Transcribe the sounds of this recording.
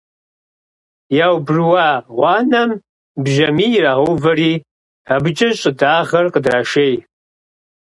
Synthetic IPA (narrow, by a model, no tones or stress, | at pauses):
jaːwbrwɑːʁʷɑːnɐm | bʒɐmiːraːʁowvɐriː | abɨt͡ʃʼɐɕʼɪdaːʁɐrqədraːʃeːj